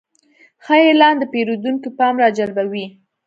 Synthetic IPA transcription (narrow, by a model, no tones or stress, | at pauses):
xəelɑnd̪əpeɾod̪uŋkipɑmɾɑd͡ʒalbawi